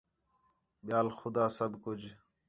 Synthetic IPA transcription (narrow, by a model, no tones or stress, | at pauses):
ɓjaːlxʊd̪aːsəbkʊd͡ʑ